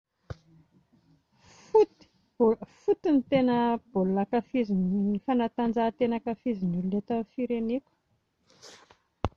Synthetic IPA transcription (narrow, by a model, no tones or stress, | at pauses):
fut̪ | fut̪init̪enəb̥olunakafizinifanat̪and͡ʒat̪enakafizinululet̪afiɾenikʲu̥